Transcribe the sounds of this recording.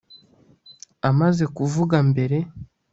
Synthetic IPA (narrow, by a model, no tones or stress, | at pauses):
amaze̞kuvuɡambe̞ɾe̞